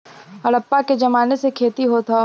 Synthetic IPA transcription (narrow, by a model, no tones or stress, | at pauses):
ɐɽɐpːaked͡ʒɐmaːnesekʰeːt̪iɦoːt̪ʰa